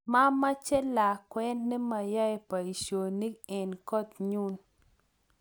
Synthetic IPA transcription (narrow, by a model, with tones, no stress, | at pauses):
ma˦mːa˦t͡ʃɛ˦la˨kwɛ˦nːe˦ma˨jɔ˦jɛ˦pa˨i˨ʃo˨ni˦kɛ˨nkɔ˦˨t̪ɲu˦n